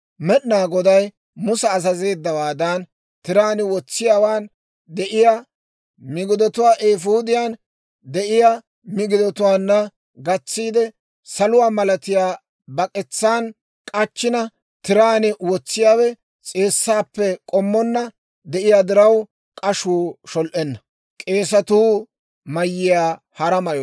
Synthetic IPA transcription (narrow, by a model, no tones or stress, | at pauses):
mɛɗnaːɡɔd̪ɐj | mʊsɛːsɐze̞ːd̪ːɐwaːd̪ɐn | t̪ɪɾaːnɪwɔt͡sːɪjaːwaːn | d̪ɛʔɪja | mɪɡɪd̪ɔt̪ʊwaːʔeːfuːd̪ɪjaːn | d̪ɛʔɪja | mɪɡɪd̪ɔt̪ʊwaːnːɐ | ɡɐt͡sːiːd̪ɛ | sɐlʊwaːmɐlɐt̪ɪjaː | bɐkʼɛt͡sːaːn | kʼɐt͡ʃːɪnɐ | t̪ɪɾaːnɛwɔt͡sːɪjaːwɛ | t͡sʼeːsːaːpːɛkʼɔmːɔnːɐ | d̪ɛʔɪjaːd̪ɪɾɐw | kʼɐʃuːʃɔlʔɛnːɐ | kʼe̞ːsɐt̪uː | mɐjːɪjaː | hɐɾɐmɐjɔ